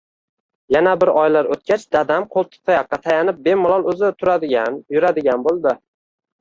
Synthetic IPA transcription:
janabɪɾɒjlaɾot̪̚kʲʰat͡ʃd̪̥ad̪amqʰolˠt̪ʰɪ̥p̚t̪ʰːajɑqːɑt̪ʰajanɪp̚be̞mʊlˠɒlˠɵzɪt̪ʰʊɾad̪ɪanjʊɾad̪ɪɡʲanbolˠd̪ɪ

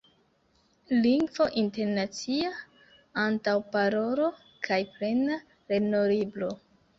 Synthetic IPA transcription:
liŋɡvo̞ʔinte̞ɾnat͡sia | antawpaɾo̞ɾo̞ | kʰajpɾe̞na | ɾe̞noɾiblo̞

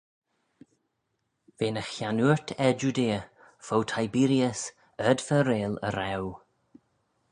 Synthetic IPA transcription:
veːnəxjanuɹtʰɛd͡ʒudeːə | fowtʰajbiɾjəs | ədvəɾeːlə̰ɾɛw

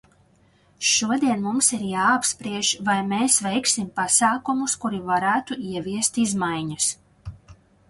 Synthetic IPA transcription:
ʃuɔd̪iɛnmumsiɾjaːapspɾiɛʒvajmeːsvɛjksimpasaːkumuskuɾivaɾæːt̪uiɛviɛst̪izmajɲas

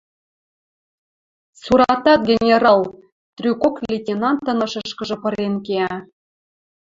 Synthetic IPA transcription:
suɾɑt̪ɑt̪̚ɡʲenʲeɾɑlˠ | t̪rʲykoklʲetʲenɑnt̪ːɤ̆nɤ̆ʃə̆ʃkə̆ʒɤ̆pɤ̆ɾenkeæ

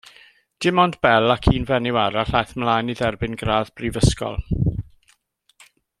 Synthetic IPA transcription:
d̥ɪmɔndb̥ɛlˠakʰiːnvɛnɪwaɾaɬajθmlˠajniðɛrbɪnɡraːðbrivəskɔ̰lˠ

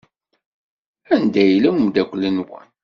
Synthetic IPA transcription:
ænd̪æjləmmd̪ækʷːlənwə̰n

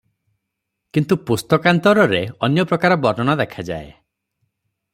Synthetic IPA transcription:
kint̪upust̪ɔkant̪ɔɾɔɾeɔnjɔpɾɔkaɾɔbɔɾnɔnad̪ekʰad͡ʒa̰e

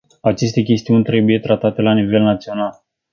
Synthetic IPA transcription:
at͡ʃe̞st̪e̞kʲe̞st̪iunʲt̪ɾe̞buje̞t̪ɾat̪at̪e̞lanive̞lnat̪sio̞nal

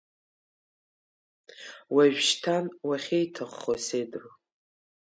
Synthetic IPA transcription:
waʒᶣʃtʰanwaχʲejtʰɨχːosejdro

